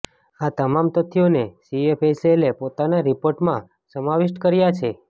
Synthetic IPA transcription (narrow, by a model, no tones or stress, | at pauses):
at̪əmamt̪ət̪ʰːijonesiepʰeselepot̪anaɾipoɾʈmã | səmaʋɪʃʈkəɾjat͡ʃʰe